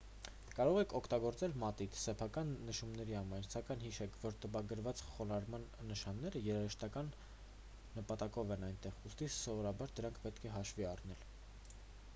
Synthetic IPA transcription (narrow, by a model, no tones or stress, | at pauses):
kɑɾɔʁɛkʰɔkʰt̪ɑɡɔɾt͡sɛlmɑt̪it̪ʰsɛpʰɑkɑnːəʃumnɛɾiɑmɑjnsɑkɑjnhiʃɛkʰvɔɾt̪əpɑɡəɾvɑt͡sχɔnɑɾmɑnːəʃɑnːɛɾəjɛɾɑɾəʃt̪ɑkɑnː | əpɑt̪ɑkɔvɛnɑjnt̪ɛʁust̪isɔvɔɾɑbɑɾd̪əɾɑŋkʰpɛt̪kʰɛɦɑʃviɑrnɛl